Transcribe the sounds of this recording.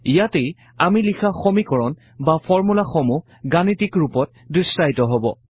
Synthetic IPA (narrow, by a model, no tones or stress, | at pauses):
ijatej | amilixʰaxɔmikɔɹɔn | bafɔɹmulaxɔmu | ɡanitikɹupɔt̚ | distajtɔɦɔbɔ